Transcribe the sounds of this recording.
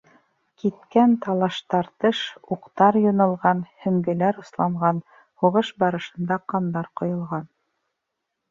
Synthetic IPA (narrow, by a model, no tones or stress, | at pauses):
kit̪̚kænt̪ɑlˠɑʃt̪ɑɾt̪ɤʃuqt̪ɑɾjŏnɤ̆lˠʁɑnhɵ̆ŋɡɘ̆læɾŏslˠɑɴʁɑn | huʁɤʃbɑɾɤ̆ʃɤ̆nd̪ɑqɑnd̪ɑɾqŏjŏlˠʁɑn